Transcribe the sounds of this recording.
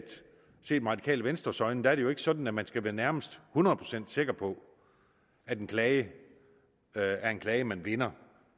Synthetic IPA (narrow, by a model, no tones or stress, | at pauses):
d̥ | se̝̰ːd̥mʁɑ̥̈ikʰɛ̰ːləʋensd̥ʁɐsɒ̽ɪnəd̥æɐɾ̥ejo̝e̝ɡ̥əsɒ̽d̥n̩æmænsɡ̥æʋæːɐnæɐməsd̥hunɐðˠpʰʁo̝sen̰d̥se̝ɡ̥ɐpʰɒ̽ | æd̥enkʰlɛːɪə | æɐe̝nkʰlɛːɪəmænʋe̝nɐ